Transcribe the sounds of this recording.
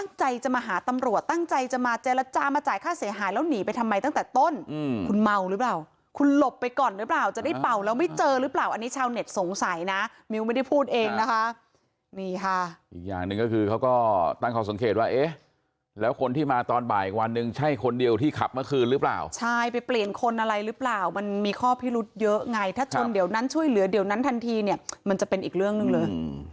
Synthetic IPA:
a˥˩ŋt͡ɕa˧jt͡ɕa˨˩maː˧ɦaː˩˦t̪a˧mɾu˨˩ət̪̚ːa˥˩ŋt͡ɕa˧jt͡ɕa˨˩maː˧t͡ɕe˧˥la˦˧˥t͡ɕaː˧maː˧t͡ɕaː˨˩jkʰaː˥˩si˩˦ɐɦaː˨˦jlɛː˦˥wniː˩˦pa˧jt̪ʰa˧mːa˧jt̪a˥ŋt̪ɛː˨˩t̪o˥˩nː˧kʰu˧nma˧wɾɯː˦˥plaː˨˩w | kʰu˧nlo˨˩pːjkɔː˨˩nɾɯ˦˥plaː˨˩wt͡ɕa˨˩da˥˩jpa˨˩wlɛː˦˥wma˥˩jt͡ɕɤː˧ɾɯː˦˥plaː˨˩wʔa˧nːi˦˥t͡ɕʰaː˧wne˨˩t̪̚so˨˩˦ŋsa˩˦jna˦˥ | miː˧wma˥˩jda˥˩jpʰuː˥˩t̪̚ʔeː˧ŋna˦˥kʰa˦˥ʔ | niː˧˩kʰa˥˩ʔiː˨˩k̚ja̰ː˨˩ŋnɯ˨˧ŋkɔː˥˩kʰɯː˧kʰa˦˥wkɔː˥˩t̪a˥˩ŋkʰɔː˧˩so˩˦ŋkʰeː˨˩t̪̚waː˥˩ʔeː˦˥ | lɛː˦˥wkʰo˧nt̪ʰiː˥˩maː˧t̪ɔː˧nba̰ː˨˩jʔi˨˩k̚wa˧nːɯ˨˧ŋt͡ɕʰa˥˩jkʰo˧ndi˧əwt̪ʰiː˥˩kʰa˨˩p̚ma˦˥kʰɯː˧nɾɯ˦˥pla̰ː˨˩wt͡ɕʰa˥˩jpa˧jpli˨˩ənkʰo˧nʔa˧ɾa˧jɾɯ˦˥plaː˨˩wma˧nmiː˧kʰɔː˥˩pʰiː˥˩ɾu˦˥t̪̚jɤ˦˥ʔŋa˧jt̪ʰaː˥˩t͡ɕʰo˧ndi˨˩˦wna˦˥nt͡ɕʰu˥˩əjlɯ˩˦ɐdi˨˩˦wna˦˥nt̪ʰa˧nt̪ʰiː˧ni˥˩əma˧nt͡ɕa˨˩pe˧nʔiː˨˩k̚ɾɯ˥˩əŋnɯ˨˧ŋlɤː˧j

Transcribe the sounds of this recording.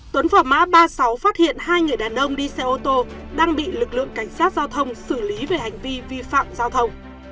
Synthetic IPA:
t̪wə˨˦nfaː˧˩ma̰ː˧˥ɓaː˧sa˨˦wfaː˦˥t̚hḭ˧˨ənhaː˧jŋɨ˨˩əjɗaː˨˩nʔə˧wŋ͡mɗi˧sɛ˧ʔo˧t̪o˧ | ɗaː˧ŋɓḭ˧˨lɨ˨˩k̚lɨ̰˧˨əŋka˧˩jŋ̟saː˦˥t̚zaː˧wt̪ʰə˧wŋ͡msɨ˧˩li˨˦ve˨˩ha˨˩jŋ̟vi˧vi˧fa̰ː˧˨mzaː˧wt̪ʰə˧wŋ͡m

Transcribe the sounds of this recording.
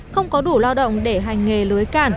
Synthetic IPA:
xə˧wŋ͡mkɔ˨˦ɗu˧˩laː˧wɗə̰˧˨wŋ͡mɗe˧˩ɦa˨˩jŋ̟ːe˨˩lɨ˨˦jkaː˧˩n

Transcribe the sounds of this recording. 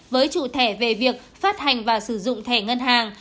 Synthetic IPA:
vəː˨˦jt͡ɕṵ˧˨t̪ʰɛ˧˩ve˨˩vi˨˩ək̚faː˦˥t̚ha˨˩jŋ̟vaː˨˩sɨ˧˩zʊ̰˧˨ŋ͡mt̪ʰɛ˧˩ŋə˧nɦaː˨˩ŋ

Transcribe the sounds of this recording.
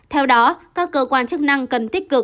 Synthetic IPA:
t̪ʰɛ˧wɗɔ˨˦kaː˦˥kːəː˧kwaː˧nt͡ɕɨ˦˥k̚na˧ŋkə˨˩nt̪i˦˥k̟̚kɨ˨˩k̚

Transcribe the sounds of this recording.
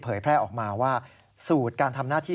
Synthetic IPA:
pʰɤː˩˦jpʰɾɛː˥˩ʔɔː˨˩k̚maː˧waː˥˩ | suː˨˩t̪̚kaː˧nt̪ʰa˧mnaː˥˩t̪ʰiː˥˩

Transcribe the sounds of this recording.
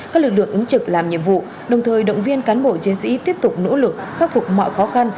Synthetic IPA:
kaː˦˥k̚lɨ˨˩k̚lɨ̰˧˨əŋʔɨ˨˦ŋt͡ɕɨ˨˩k̚laː˨˩mɲḭ˧˨əmvṵ˧˨ | ɗə˨˩wŋ͡mt̪ʰəː˨˩jɗə̰˧˨wŋ͡mvi˧ənkaː˨˦nɓo̰˧˨t͡ɕi˨˦ənsḭ˧˥t̪i˦˥əp̚t̪ʊ˨˩k͡p̚no̰˧˥lɨ˨˩k̚xaː˦˥t̚fʊ˨˩k͡p̚mɔ̰˧˨jxɔ˨˦xa˧n

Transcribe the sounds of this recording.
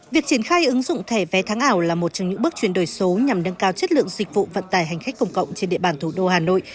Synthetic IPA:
vi˨˩ək̚t͡ɕi˧˩ənxaː˧jʔɨ˨˦ŋzʊ̰˧˨ŋ͡mt̪ʰɛ˧˩vɛ˨˦t̪ʰaː˨˦ŋʔaː˧˩wlaː˨˩mo˨˩t̚t͡ɕɔ˧wŋ͡mɲɨ̰˧˥ɓɨ˦˥k̚t͡ɕwi˧˩ənɗo˨˩jso˨˦ɲa˨˩mnə˧nkaː˧wt͡ɕə˦˥t̚lɨ̰˧˨əŋzï˨˩k̟̚vṵ˧˨və̰˧˨nt̪aː˨˩jɦa˨˩jŋ̟xa˦˥k̚kə˧˩wŋ͡mkə̰˧˨wŋ͡mt͡ɕe˧nɗḭ˧˨əɓaː˨˩nt̪ʰu˧˩ɗo˧haː˨˩no̰˧˨j

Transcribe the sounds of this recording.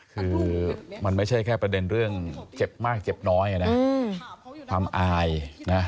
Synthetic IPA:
kʰɯː˧ma˧nma˥˩jt͡ɕʰa˥˩jkʰɛː˥˩pɾa˧de˧nɾɯ˥˩əŋt͡ɕe˨˩p̚maː˥˩k̚t͡ɕe˨˩p̚nɔː˦˥ja˨˩na˦˥ | kʰaː˧mʔaː˧jna˦˥

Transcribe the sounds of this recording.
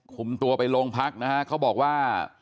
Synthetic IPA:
kʰu˨˩mt̪u˧ɐpa˧jloː˧ŋpʰa˦˥k̚na˦˥kʰa˦˥ʔkʰa˦˥wbɔː˨˩k̚waː˥˩

